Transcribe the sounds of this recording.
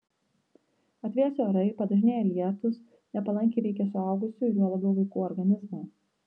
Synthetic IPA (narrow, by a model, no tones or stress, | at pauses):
ɐt̪ʲʋʲeɛsʲoːɾɐɪpɐd̪ɐʒʲɪnʲeːjɛlʲiɛt̪ʊs | nʲɛpɐlˠɐŋʲkʲɪɾʲɛɪkʲɛs̬ʊɐˑʊɡʊsʲʊjʲuɔlˠɐbʲɛʊʋɐɪkuːɔɾɡɐnʲɪzmɑː